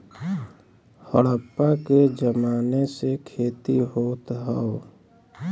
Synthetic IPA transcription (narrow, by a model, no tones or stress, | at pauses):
həɽəpːaked͡ʒəmaːnesekʰeːt̪iɦoːt̪ɦəo